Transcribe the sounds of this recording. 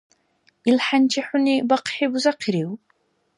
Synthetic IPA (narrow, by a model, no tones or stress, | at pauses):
ilħant͡ʃʰiħʊnibɐqħibuzaqʰiɾiw